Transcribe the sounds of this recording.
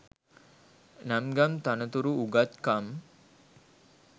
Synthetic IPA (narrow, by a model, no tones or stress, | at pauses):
namɡamt̪anət̪uɾuuɡat̪kam